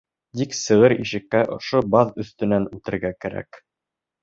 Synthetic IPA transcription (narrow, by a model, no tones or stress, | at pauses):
t̪iksɤ̆ʁɤɾiʃɘ̆kːæʔŏ̰ʃobɑðɵ̆θt̪ɵ̆nænʉlt̪ɘ̆ɾɡækæɾæ̰k